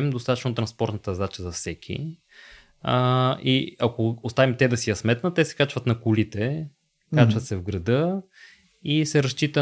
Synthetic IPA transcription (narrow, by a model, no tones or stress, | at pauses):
md̪ost̪at̪ə̥t͡ʃnot̪ɾɐnspɔɾt̪nət̪əzat͡ʃəzɐfsɛkʰḭ | iɐkoost̪avimt̪ɛd̪ɐsijɐsmɛt̪nət̪ɛsɛ̥kat͡ʃvɐt̪nɐkʊlit̪ɛ | kat͡ʃvɐt̪sɛvɡɾɐd̪ɤ | isɛɾɐst͡ʃit̪ə